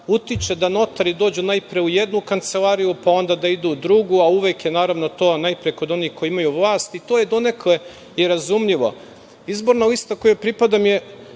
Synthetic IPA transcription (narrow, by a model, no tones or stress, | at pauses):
ut̪it͡ʃed̪ano̞t̪aɾid̪o̞ːd͡ʑunajpɾieujed̪nukant̪se̞lˠaɾijupao̞nd̪ad̪aid̪uːd̪ɾuɡuauʋekjenaːɾaʋnot̪o̞ːnajpɾiekod̪o̞nihko̞jiimajuʋlˠaːst̪it̪oːjed̪o̞ne̞kle̞ | iɾazumʎiʋo̞̰ | izbo̞ɾnalist̪ako̞jepɾipad̪amje